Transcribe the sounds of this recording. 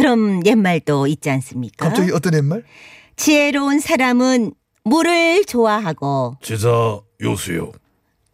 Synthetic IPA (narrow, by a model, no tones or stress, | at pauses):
kɯɾʌmjemːaɭt͈oit̚t͡ɕ͈ians͈ɯmɲik͈aapt͡ɕ͈aɡiʌt͈ʌnjemːaɭ | t͡ɕieɾounsʰaɾamɯn | muɾɯɭt͡ɕowaɦaɡot͡ɕid͡ʑa | josʰujo̰